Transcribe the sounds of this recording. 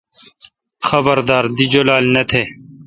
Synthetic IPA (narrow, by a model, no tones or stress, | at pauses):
xɐbəɾd̪aːɾd̪id͡ʑolaːlnɐt̪ʰeː